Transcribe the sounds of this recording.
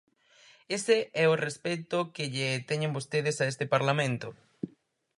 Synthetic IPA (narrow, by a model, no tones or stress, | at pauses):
eseɛʊrespet̪ʊkɪʎet̪ɛɲẽmbost̪eð̞ɪsaest̪ɪpaɾlamẽnt̪ʊ